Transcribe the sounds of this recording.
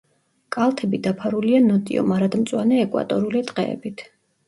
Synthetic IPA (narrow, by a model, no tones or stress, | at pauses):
kʼalˠt̪ʰɛbid̪apʰaɾulianɔt̪ʼḭɔ̰maɾad̪mt̪sʼwanɛːkʼwa̰t̪ʼɔɾulit̪ʼqʼɛ̰ɛ̰bit̪ʰ